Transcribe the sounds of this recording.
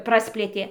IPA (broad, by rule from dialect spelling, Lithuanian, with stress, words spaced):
ˈprɑːsʲpʲlʲeːtʲeː